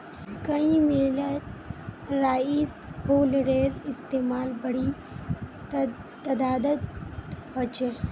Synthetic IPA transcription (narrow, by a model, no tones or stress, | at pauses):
kɐĩmelət̪ɾaːis | hoːlɾeːɾɪst̪eːmaːlbɐɽi | t̪ɐd̪aːd̪ət̪hot͡ʃeː